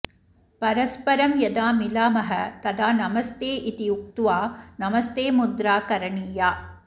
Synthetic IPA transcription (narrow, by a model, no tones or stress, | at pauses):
pɐɾɐspɐɾɐmjɐd̪aːmilaːmɐɦɐt̪ɐd̪aːnɐmɐst̪eːʔit̪ijuk̚t̪uʋaːnɐmɐst̪eːmud̪ɾaːkɐɾɐɳiːjaː